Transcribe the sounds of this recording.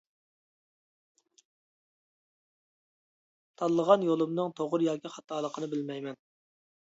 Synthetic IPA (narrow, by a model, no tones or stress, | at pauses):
t̪ʰɑlˠːəʁɑnjolˠɨmnɨŋt̪ʰoʁʊɾjɑːkʲiχɑt̪ʰɑːlˠəqʰənɨbɪlmɛjmɛn